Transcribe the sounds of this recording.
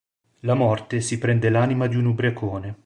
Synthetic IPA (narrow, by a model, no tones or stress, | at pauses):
lamɔrt̪esipɾɛnd̪elaːnimad̪iunubɾekoːne